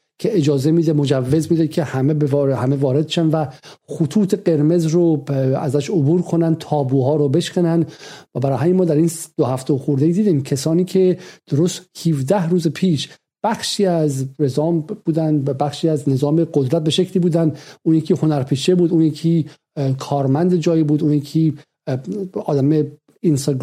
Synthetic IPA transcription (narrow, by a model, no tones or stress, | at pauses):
kʰeʔed͡ʒɒːzemiːd̪emod͡ʒævːe̞zmiːd̪ecʰehæmebevɾhæmevɒːɾed̪̚ʃænvæχot̪ʰuːt̪ʰe̞ɢe̞ɾme̞zɾoæ̰zæʃobuːɾkʰonæn̚t̪ʰɒːbuːɦɒːɾobe̞ʃkænænvæbæɾɒːhɦæmjemɒːd̪æɾiːnd̪̥ohæft̪ʰeoxuɾd̪ejiːd̪iːd̪iːmcʰesɒːniːcʰed̪̥oɾoːst̪hivd̪æhɾuːzepʰiːʃ | b̥æxʃiːæzɾezɒːmb̥uːd̪ænd̪bæxʃiːæznezɒːmeɡod̪ɾæt̪̚be̞ʃekcʰliːbuːd̪ænd̪uːnjecʰiːho̞næɾpʰiːʃebuːd̪uːnjecʰiː | kʰɒːɾmænd̪ed͡ʒɒːjibuːd̪uːnjicʰi | ɒːd̪æme | inst̪ɡ